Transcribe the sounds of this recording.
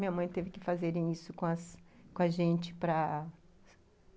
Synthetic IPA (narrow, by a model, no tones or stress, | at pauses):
mĩɲɐmɐ̃j̃t̪evɪkɪfazeɾẽj̃isʊkõɐskõɐʒẽnt͡ʃɪ̥pɾɐ